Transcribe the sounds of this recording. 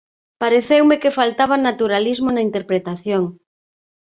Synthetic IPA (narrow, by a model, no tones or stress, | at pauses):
paɾeθewmekefalt̪aβ̞anat̪uɾalizmonaint̪eɾpɾet̪aθjoŋ